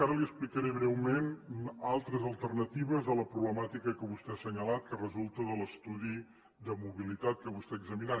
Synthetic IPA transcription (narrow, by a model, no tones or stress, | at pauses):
aɾəliəsplikəɾeβɾɛwmenalˠt̪ɾəzəlˠt̪ərnət̪iβəzðələpɾuβləmat̪ikəkəβust̪ɛasəɲəlat̪̚kərəzulˠt̪əðələst̪uði | d̪əmuβilit̪at̪̚kəβust̪ɛəɡzəmina